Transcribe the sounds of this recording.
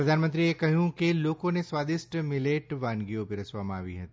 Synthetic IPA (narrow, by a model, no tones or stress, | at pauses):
pɾɐd̪ʱaːnmə̃nt̪ɾiekɐɦjũkeloːkõnesʋaːd̪ɪsʈmɪleːʈʋaːnɡiõpɪɾɐsʋamãa̰ːʋḭɦɐt̪i